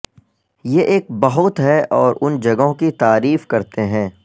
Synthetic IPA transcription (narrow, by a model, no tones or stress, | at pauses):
jeʔeːk̚bɐɦʊt̪ɦɛʔɔːɾʔʊnd͡ʒɐɡõkit̪aːɾiːfkɐɾt̪eɦɛ̃ː